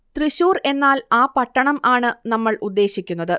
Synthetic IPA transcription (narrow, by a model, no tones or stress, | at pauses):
t̪riɕuːre̞nːaːlaːpɐʈːɐɳɐmaːɳɨnɐmːɐɭud̪ːe̞ːɕikʲːunːɐðɨ